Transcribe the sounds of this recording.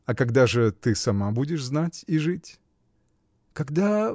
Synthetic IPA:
ɐkɐɡd̪aʐɨt̪ɨsɐmabudʲɪʂznatʲiʐɨtʲ | kɐɡd̪a

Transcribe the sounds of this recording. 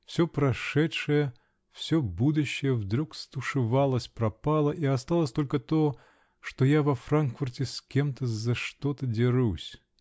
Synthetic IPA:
fsʲopɾɐʂɛtʂɨjə | fsʲobud̪ʊɕːɪjəvd̪ɾukst̪ʊʂɨvalˠəsʲpɾɐpalˠəʔiɐst̪alˠəsʲt̪o̞lʲkət̪o | ʂt̪ojavɐfrankfʊrtʲɪskʲemt̪əzɐʂt̪ot̪ədʲɪɾusʲ

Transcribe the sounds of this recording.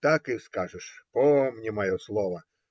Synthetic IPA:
t̪akɨskaʐɨʂpɔmnʲimɐjɔslˠɔʋɐ

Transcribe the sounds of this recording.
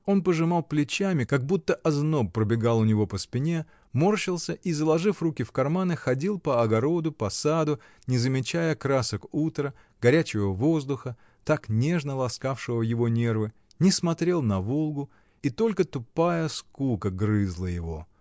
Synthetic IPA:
o̞npəʐɨmalˠplʲɪt͡ɕæmʲɪkɐɡ̚but̪ːəʔɐznopːɾəbʲɪɡalˠʊnʲɪvo̞pəspʲɪnʲe̞ | morɕɪlˠsʲəʔizəlˠɐʐɨfrukʲɪfkɐrmanɨxɐdʲilˠpəɐɡɐɾo̞d̪ʊpɐsad̪ʊ | nʲɪzəmʲɪt͡ɕæjəkɾasəkut̪ɾə | ɡ̥ɐɾʲæt͡ɕɪvəvo̞zd̪ʊxə | t̪aknʲe̞ʐnəlˠɐskafʂɨvəjɪvo̞nʲe̞rvɨ | nʲɪsmɐt̪ɾʲe̞lˠnɐvolˠɡʊ | it̪olʲkət̪ʊpajəskukəɡrɨzlˠəjɪvo̞̰

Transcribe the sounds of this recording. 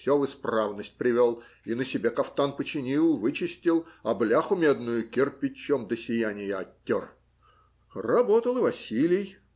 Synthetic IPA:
sʲovɨspravnəsʲt̚ʲpɾʲɪvʲolˠ | inəsʲɪbʲekɐft̪anpət͡ɕɪnʲilˠvɨt͡ɕɪsʲtʲɪlˠɐblʲaxʊmʲed̪nʊjʊkʲɪrpʲɪt͡ɕːomd̪əsʲɪjanʲɪjəɐtʲːor | rɐbot̪əlˠɨvɐsʲilʲɪj

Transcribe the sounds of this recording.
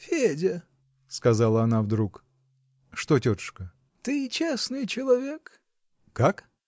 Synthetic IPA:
fʲedʲɪ | skɐzalˠəɐnavd̪ɾuk | ʂt̪otʲot̪ɨ̥ʂkə | t̪ɨt͡ɕesnɨjt͡ɕɪlˠɐvʲek | kːak

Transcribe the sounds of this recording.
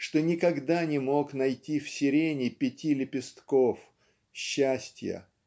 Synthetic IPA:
ʂt̪onʲɪkɐɡd̪anʲɪmo̞knɐjtʲifsʲɪɾʲenʲɪpʲɪtʲilʲɪpʲɪst̪kof | ɕːæsʲtʲjə̰

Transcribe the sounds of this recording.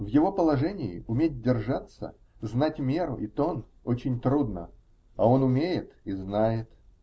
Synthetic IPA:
vjɪvo̞pəlˠɐʐɛnʲɪɪ̰ʊmʲet̚ʲdʲɪrʐat̪sə̰ | znatʲmʲe̞ɾʊ̰ʔit̪o̞n | ot͡ɕɪnʲt̪ɾud̪nə̰ | ɐo̞nʊmʲejɪt̪iznajɪt̪

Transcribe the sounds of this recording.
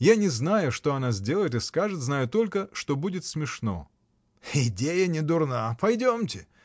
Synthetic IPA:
janʲɪznajʊʂt̪o̞ɐnazʲdʲe̞lˠəjɪt̪ɨskaʐɨt̪znajʊt̪o̞lʲkəʂt̪obudʲɪt̪smʲɪʂno̞̰ | ɪdʲejənʲɪd̪ʊrnapɐjdʲomtʲɪ

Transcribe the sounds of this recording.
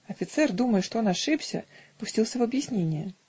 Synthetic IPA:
ɐfʲit̪sɛrd̪umɐjɛʂt̪ɔnaʂɨpsʲɐ̰pusʲtʲilˠsʲɐvɐbjisʲnʲenʲːjɛ

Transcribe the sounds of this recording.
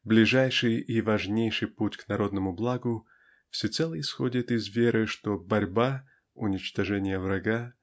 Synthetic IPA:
blʲɪʐajʂɨjivɐʐnʲejʂɨjputʲknɐɾo̞d̪nəmʊblˠaɡʊ | fsʲɪt̪sɛlˠəɪsxodʲɪt̪ɪzvʲeɾʔɨʂt̪obɐɾʲba | ʊnʲɪt͡ɕt̪ɐʐɛnʲɪjəvɾɐɡa

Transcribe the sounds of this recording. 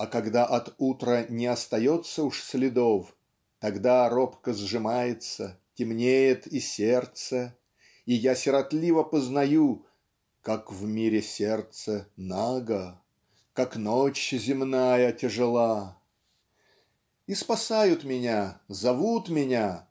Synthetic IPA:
ɐkɐɡd̪aʔɐt̪ut̪ɾənʲɪɐst̪ɐjot̪səʊʂsʲlʲɪd̪of | t̪ɐɡd̪aɾopkəzʐɨmajɪt̪sətʲɪmnʲejɪt̪isʲert̪sə | ijasʲɪɾɐt̪lʲivəpəznɐju | kakvmʲiɾʲɪsʲert̪sənaɡə | kaknot͡ɕzʲɪmnajətʲɪʐɨlˠa | ispɐsajʊt̪mʲɪnʲazɐvut̪mʲɪnʲa

